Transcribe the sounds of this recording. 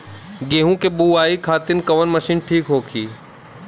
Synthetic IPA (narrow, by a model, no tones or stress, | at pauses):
ɡeːɦũkebuːaːikʰaːt̪ɪnkɐʋənmɐʃiːnʈʰiːkɦoːkʰiː